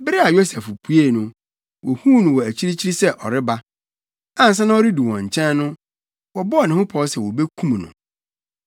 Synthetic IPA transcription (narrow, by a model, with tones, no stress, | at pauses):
bɾɪ˦a˨jo˦sɛ˨fpʰu˦e˦˨nʊ̃˨ | wɔ˨hũ˦nʊ̃˨wɔ˨æ˨t͡ɕʰi˦ɾi˦t͡ɕʰi˦ɾi˦sɛ˦ʔɔ˨ɾɪ˦ba˦ | ã˨n̩˨s̬ɛ̃˦nã˦ɔ˦ɾɪ˦du˨wɔ̃˨ɲ̩˨t͡ɕʰɛ̃˦nːʊ̃˦ | wɔ˨bɔ˦ɔ˨nɪ̃˨hʊ̃˦pʰɔ˨˦sɛ˨wɔ˨be˦kʰũ˦m˨nʊ̰̃˨